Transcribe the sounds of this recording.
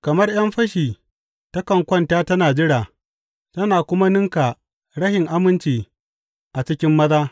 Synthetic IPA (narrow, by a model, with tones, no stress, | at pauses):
kɐ˨mɐ˦rj̰ɐ˦mɸɐ˦ʃiː˨ | ta˦kɐ˨ŋkʷɐ˦ntaː˦tɐ˦naː˨d͡ʒɪ˦ɽaː˨ | tɐ˦naː˨kʷʊ˦ma˦nɪ˦ŋka˨ | ɽɐ˦hɪ˨ŋʔa˦mɪ˦nt͡ʃiː˨ | ʔa˨t͡ʃɪ˦kʲɪ˦mːɐ˦zaː˦